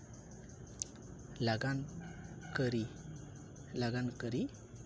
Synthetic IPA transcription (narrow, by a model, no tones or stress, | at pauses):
laɡankəɾi | laɡankəɾi